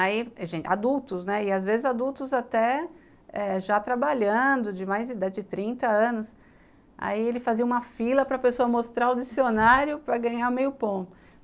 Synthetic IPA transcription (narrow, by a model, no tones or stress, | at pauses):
aiʒẽt͡ʃad̪uwt̪ʊznɛɪazvezɪzad̪uwt̪ʊzat̪ɛ | ɛʒat̪ɾabaʎɐ̃d̪ʊd͡ʒɪmajzid̪ad͡ʒɪd͡ʒɪt̪ɾĩnt̪ɐɐ̃nʊs | a̰ielɪfaziɐũmɐfilɐpɾɐpesoɐmost̪ɾaʊd͡ʒisionaɾjʊpɾɐɡɐ̃ɲamejʊpõt̪ʊ